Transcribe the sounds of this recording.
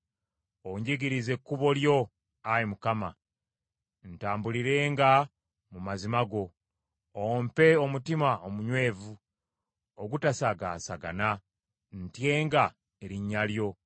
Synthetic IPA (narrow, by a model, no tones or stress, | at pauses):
oɲɟeɡiɾize̞kːuβo̞ljo̞ | ajimukama | n̩taːmbuliɾe̞ːŋɡa | mumazimaɡo̞ | ompe̞o̞mutimaomuɲwe̞ːvu | oɡutasaɡa̰ːsaɡa̰na | ntje̞ːŋɡa | eɾiɲːaljo̞